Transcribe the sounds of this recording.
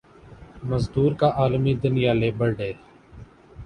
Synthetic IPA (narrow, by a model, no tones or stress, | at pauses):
məzd̪uːɾkaːʔaːlmiːd̪ʊnɪjaːleːbəɾɖeː